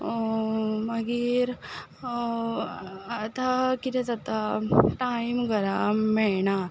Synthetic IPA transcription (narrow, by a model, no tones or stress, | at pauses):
məɡiːɾ | t̪akit̪ʰɛ̃t͡sat̪aʈaimɡəɾamːɛɭɳa